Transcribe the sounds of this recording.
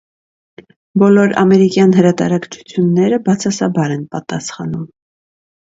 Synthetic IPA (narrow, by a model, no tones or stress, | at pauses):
bɔlɔɾɑ̰mɛɾikjɑnɦəɾɑt̪ɑ̰ɾɑkt͡ʃʰu̥t͡sʰjunːɛɾəbɑt͡sʰɑsɑbɑɾɛnpɑt̪ɑsχɑ̰num